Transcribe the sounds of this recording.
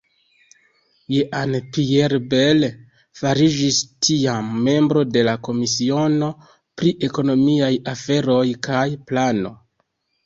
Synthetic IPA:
jeʔanpieɾbe̞l | faɾid͡ʒistʰiamːe̞mbɾo̞de̞lako̞misio̞no̞ | pɾiʔe̞ko̞no̞miajafe̞ɾo̞jkajplano̞̰

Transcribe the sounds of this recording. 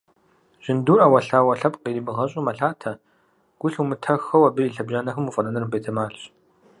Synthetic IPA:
ʒ̥ɪnduːrɐwɐɬaːwɐɬɐpqiːnibɨʁɐɕʼʊmɐɬaːtʰɐ | ɡ̥ʷʊɬumɨtʰɐxɐwɐbɨiːɬɐbʑaːnɐxɨmufʼɐnɐnɐrmbejtʰɐmaːɬɕ

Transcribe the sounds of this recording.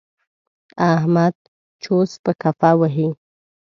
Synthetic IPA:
aɦmad̪̚ | t͡ʃospəkafawəɦi

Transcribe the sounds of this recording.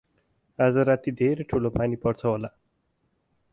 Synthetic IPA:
ad͡zʌɾat̪id̪ʱeɾeʈʰulopanipʌrt͡sʰʌɦola

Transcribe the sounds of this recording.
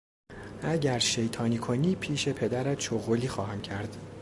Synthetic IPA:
ʔæɟæɾʃe̞jt̪ʰɒːniːkʰoniːpʰiːʃe̞pʰe̞d̪æɾæt̪ʃoɣoliːxɒːɦæmcʰæɾd̪̥

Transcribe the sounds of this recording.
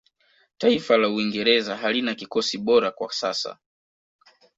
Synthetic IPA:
taifalauiŋɡɛɾɛzaɦalinakikɔsiɓɔɾakwa̰sa̰sa̰

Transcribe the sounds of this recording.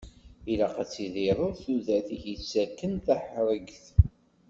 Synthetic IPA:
ilaqæt͡sːiðɪɾˤʊɾθuðæθiçisːækːənθæħɾˤəɡθ

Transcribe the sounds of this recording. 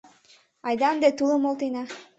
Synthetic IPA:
ɑjd̪ɑmd̪et̪ulˠɯmolˠt̪ɤjnɑ

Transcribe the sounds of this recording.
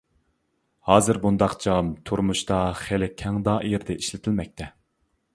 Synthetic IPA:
hɑːzɨɾbund̪ɑqd͡ʒɑmt̪ʰuɾmuʃt̪ɑχelɪkʲʰːɛŋd̪ɑjeɾd̪ɛʔiʃlɪt̪ʰɪlmɛk̚ʲt̪ʰɛ

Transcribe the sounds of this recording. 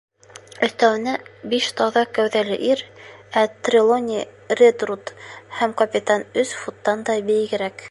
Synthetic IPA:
ɵ̆θt̪æwɘ̆næbiʃt̪ɑðɑkæwðælɘ̰ʔiɾæt̪rʲɪlˠonʲi | rʲed̪rut̪hæmkɐpʲɪt̪ɑnɵsfut̪ːɑnd̪ɑbɘ̆jɡɘ̆ɾæk

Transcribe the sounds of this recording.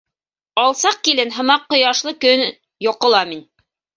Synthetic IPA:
ɑlˠsɑq̚kilɘnɦɤ̆mɑqːŏjɑʃlˠɤkɵn | jŏqŏlˠɑmin

